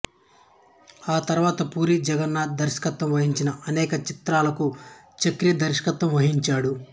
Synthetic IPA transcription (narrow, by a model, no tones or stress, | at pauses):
aːt̪ɐɾuʋaːt̪ɐpuːɾid͡ʒɛɡɐnːaːd̪ɐɾʃɐ̥kɐt̪ːɐmʋɐɦiɲt͡ʃinɐʔɐnɛːkɐt͡ʃit̪ɾaːlɐku | t͡ʃɐkɾijɐd̪ɐɾʃɐ̥kɐt̪ːɐmʋɐɦiɲt͡ʃaːɽu